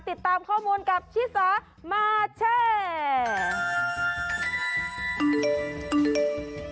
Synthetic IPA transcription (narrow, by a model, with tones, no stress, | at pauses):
t̪i˨˩t̪ːaː˧mkʰɔː˥˩muː˧nka˨˩p̚t͡ɕʰiː˦˥saː˨˦˥ | maː˧t͡ɕʰeː˧˥